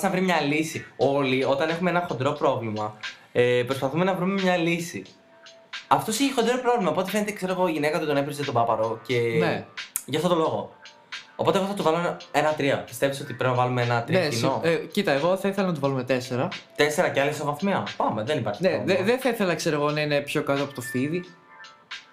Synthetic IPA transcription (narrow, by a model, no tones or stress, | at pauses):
snɐvɾimɲɐlisio̞lio̞t̪ɐne̞xumeenɐxond̪ɾo̞pɾo̞vlimɐ | epɾo̞spɐθume̞nɐvɾume̞mɲɐlisi | ɐft̪osiçixod̪iɾopɾo̞vlimɐopot̪efenet̪ekse̞ɾoɣo̞iʝinekɐt̪uit̪o̞nepɾizet̪obɐpɐɾoce̞neʝɐft̪o̞t̪o̞lo̞ɣo | opot̪eɣoθɐt̪uvɐlomenɐt̪ɾiɐpi̥st̪e̞viso̞t̪ipeɾepinɐvɐlumeenɐt̪ɾnɐeinocit̪ɐeɣo̞θɐiθelɐnɐt̪uvɐlume̞t̪e̞seɾɐt̪e̞se̞ɾɐceɐlisovɐθmeɐpɐme̞ðenipɐɾçneðeðeθɐiθe̞lɐkse̞ɾoɣo̞nɐine̞pço̞kɐt̪o̞ɐpot̪ofiði